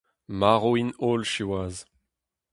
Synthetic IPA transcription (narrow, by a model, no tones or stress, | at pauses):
maʁoinolʃiwaːz